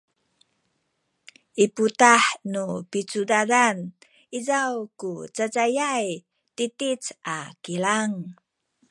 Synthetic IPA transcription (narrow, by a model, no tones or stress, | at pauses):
ʔiputaħnupit͡sudaɾan | izawkut͡sat͡sajaj | titit͡sʔakilaŋ